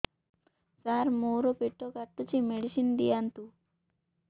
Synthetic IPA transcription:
saːɾmoːɾopeʈːokɐʈːut͡ʃimeɽisind̪ijant̪u

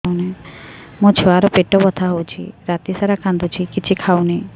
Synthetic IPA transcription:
unemõt͡ʃʰuaɾɔpeʈoʋɔt̪ʰaɦowt͡ʃʰḭɾat̪isaɾakʰãnd̪ut͡ʃʰikit͡ʃʰikʰauni

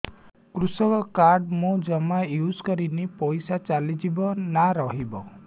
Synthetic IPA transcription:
kɾusɔkɔkaɾɖmũd͡ʒɔmajud͡ʒkɔɾinipɔjsat͡ʃalid͡ʒibɔnaɾɔɦibɔ

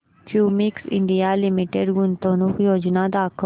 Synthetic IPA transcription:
kjumiksḭɳɖijalimiʈeɖɡunt̪onuːkjoːd͡ʑnad̪aːkʰ

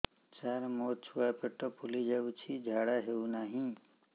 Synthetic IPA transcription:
t͡ʃaːɾmoːt͡ʃʰuʋapeʈopulid͡ʒeut͡ʃʰid͡ʒʱaːɽaɦeunaːɦĩ

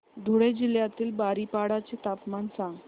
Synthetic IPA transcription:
d̪ʱuɽed͡ʑiljat̪iːlbaɾipaɽat͡set̪apmansãŋɡ

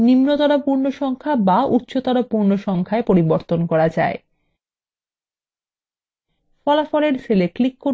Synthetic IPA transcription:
nimnot̪ɔɾapuɾnoʃɔŋkʰabaut̪ːɕot̪ɔɽapuɾnoʃɔŋkʰaepoɾiboɾt̪onkɔɾad͡ʑa̰e | fɔlafɔleɾseleklikːo

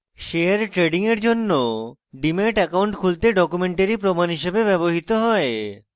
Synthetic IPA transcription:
ʃeaɾʈɾeɖiŋeɾd͡ʑonːoɖimeʈɛkawɳʈkʰult̪eɖɔkumeɳʈaɾipɾomanɦiʃebebɛboɦit̪oɦɔe

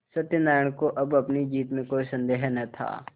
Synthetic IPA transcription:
sɐt̪ːjənaːjə̃koʔɐbɐpnid͡ʒiːt̪mẽkoːisə̃nd̪eːɦnɐt̪ʰa̰ː

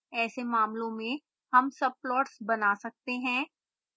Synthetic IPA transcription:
ɛːsemaːmlõmẽ | hɐmsɐb̚plɔːʈsbɐnaːsɐk̚t̪eɦɛ̃ː

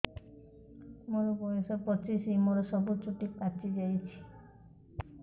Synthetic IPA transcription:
moɾɔbɔjɔsɔpɔt͡ʃisimoɾɔsɔbut͡ʃʰuʈikat͡ʃid͡ʒajt͡ʃʰi̥

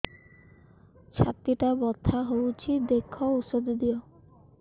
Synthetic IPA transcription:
t͡ʃʰat̪iʈabɔt̪ʰːaɦowt͡ʃʰid̪ekʰːɔusɔd̪d̪ijɔ

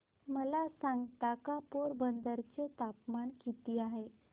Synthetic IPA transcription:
məlasãŋɡt̪akapoɾbənd̪əɾt͡ɕet̪apmaɳkit̪iːaɦe

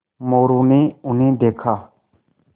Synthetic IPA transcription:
moːɾuːnĩːʊnĩːd̪eːkʰaː

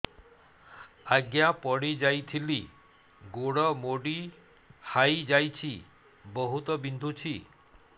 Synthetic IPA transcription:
aɡjapɔɽid͡ʒajt̪ʰili | ɡoɽɔmoɖi | hajd͡ʒajt͡ʃʰi | bɔɦut̪ɔbind̪ʱut͡ʃʰi

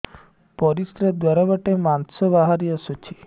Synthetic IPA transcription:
pɔɾisɾed̪waɾabaʈemansɔbaɦaɾiasɔt͡ʃʰi

